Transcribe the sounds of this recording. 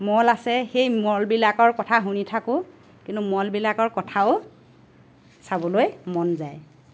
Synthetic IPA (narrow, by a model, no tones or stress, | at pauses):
mɔlasɛxejmɔlbilakɔɹkɔtʰaɦunitʰakʊ̃ | kintʊmɔlbilakɔɹkɔtʰaʊ | sabɔlojmɔnzaj